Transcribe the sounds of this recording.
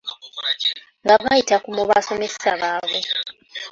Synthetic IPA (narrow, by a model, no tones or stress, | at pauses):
ŋɡaβajitakumoβaso̞messaβaːβo